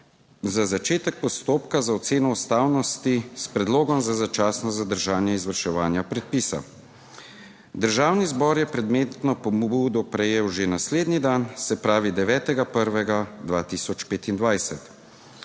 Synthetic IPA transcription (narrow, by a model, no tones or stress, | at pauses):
zazat͡ʃeːt̪ɛk̚pɔst̪oːpkazaɔt̪seːnɔust̪aːwnɔst̪ispɾɛd̪loːɡɔmzazat͡ʃaːsnɔzad̪əɾʒaːnjɛizʋəɾʃɛʋaːnjapɾɛt̪̚piːsa̰ | d̪əɾʒaːwnizbɔɾjɛpɾɛd̪meːt̪nɔpɔbbuːd̪ɔpɾɛjeːwʒenasleːd̪nid̪ansɛpɾaːʋid̪ɛʋɛːt̪ɛɡapəɾʋɛɡad̪ʋaːt̪iːsɔt͡ʃpeːt̪ind̪ʋajsɛt̪